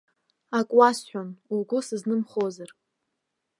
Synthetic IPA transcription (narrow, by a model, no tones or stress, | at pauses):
akʷʼwasħʷᶣanuɡʷʊsɨznɨmχozar